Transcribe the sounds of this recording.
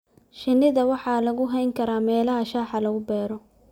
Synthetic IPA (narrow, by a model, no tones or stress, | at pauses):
ʃɪnːɪðɐwɑħɑːlɐɣʊɦɛjŋkʰɐɾaːmɛːlɐɦɐʃaːħɑlɐɣʊbɛːɾɔ